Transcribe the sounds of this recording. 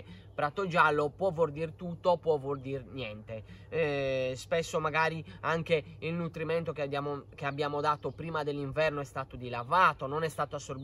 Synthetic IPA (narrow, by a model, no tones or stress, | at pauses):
pɾat̪od͡ʒalːopwɔvord̪irt̪ut̪ːopːwɔvord̪irnjɛnt̪e | spɛsːomaɣaːɾiaŋke | ilnut̪ɾimɛnt̪okaok̟eabjaːmod̪aːt̪opɾiːmad̪elːiɱvɛrnoɛst̪aːt̪od̪ilavaːt̪ononɛst̪aːt̪oasːoɾb